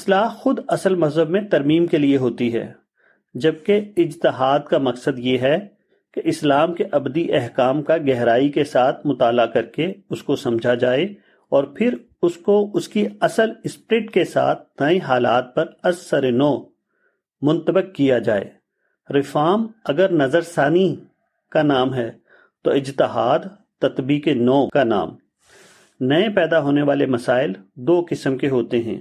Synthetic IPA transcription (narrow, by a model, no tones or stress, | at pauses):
ɪslaːɦxʊd̪ɐsəlmɐzɦəbmẽt̪ɐɾmiːmkelieɦoːt̪iɦɛ̰ː | d͡ʒɐb̚keɪd͡ʒt̪ɪɦaːd̪̚kamɐksəd̪jeɦɛ | keʔɪslaːmkeʔɐbd̪iʔɛɦkaːmkaɡɛɦɾaːikesaːt̪ʰmʊt̪aːlakɐɾkeʊskosɐ̃md͡ʒʱad͡ʒaːe | ɔːɾpʰɪɾ | ʊskoʊskiɐsəlɪspɾɪʈkesa̰ːt̪̚ʰnɐẽɦaːla̰ːt̪̚pɐɾɐsːɐɾenɔː | mʊ̃nt̪əbɪkːijad͡ʒa̰ːḛː | ɾɪfaːmɐɡəɾnɐzəɾsaːni | kanaːmɦɛː | t̪oɪd͡ʒt̪ɪɦaːd̪ | t̪ɐt̪biːkenɔːkana̰ːm | nɐẽpɛːd̪aɦoːneʋaːlemɐsaːɪld̪oːkɪsəmkeɦoːt̪eɦɛ̰̃ː